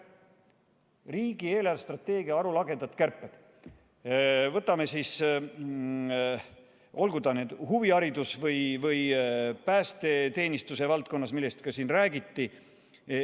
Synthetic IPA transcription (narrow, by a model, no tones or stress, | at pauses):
riːɡie̞ːlɑlst̪rɑt̪ːe̞ːɡ̥iɑɑɾulɑɡe̞nd̪ɑt̪kærpːˑed̪̥ | vɤt̪ːˑɑme̞siːs | o̞lɡud̪̥ɑned̪̥huviɑɾid̪usvɤjvɯjpæːst̪e̞t̪e̞ːnist̪use̞vɑlt̪̚ko̞nːɑsmilːe̞st̪kɑsiːnræːɡit̪ːi